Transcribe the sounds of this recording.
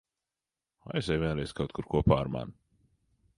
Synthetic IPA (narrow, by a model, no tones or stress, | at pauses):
aɛsɛjvʲiɛnɾɛjskawt̪kuɾkuɔpaːɾma̰n